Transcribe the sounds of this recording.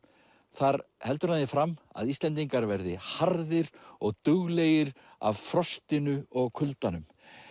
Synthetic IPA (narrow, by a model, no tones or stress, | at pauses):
θaɾhɛlt̪ʏɾaðɪfɾama̰ðist̪lɛnt̪̬iŋkaɾvɛɾðɪhaɾðɪɾɔɣt̪ʏɣleːjɪɾ | a̰vfɾɔst̪ɪnʏɔɣkʰʏlt̪anʏm